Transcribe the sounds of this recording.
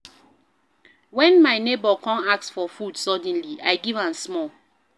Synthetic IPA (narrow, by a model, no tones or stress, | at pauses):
wɛ̃nmaɪnebɔkʰɔ̃naksfɔfud̥sɔd̃n̩liʔajɡivãnsmɔl